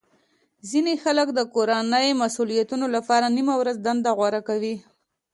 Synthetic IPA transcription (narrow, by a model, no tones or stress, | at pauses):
zinexaləkd̪əkoɾanəjmasulijat̪unolapɑɾanimawɾazd̪and̪aɣwaɾakawi